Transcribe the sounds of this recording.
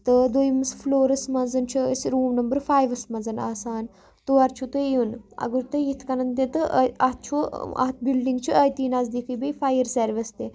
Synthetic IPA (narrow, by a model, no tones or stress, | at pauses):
t̪ɨd̪ojimɨsfloːɾɐsmɐnzɐnt͡ʃʰuəsɾuːmnɐmbəɾfaːjʋɐsmɐzɐna̰ːsaːn | t̪uɐɾt͡ʃʰut̪ɨjunɐ̰ɡuɾt̪ɨjit̪ʰkɐnɐnt̪et̪ɨʔɐt̪̚t͡ʃʰuɐ̰ɦt̪̚ʰbilɖiŋɡt͡ʃʰuɐjt̪iːnazd̪ikʰibifaːjəɾseɾʋist̪e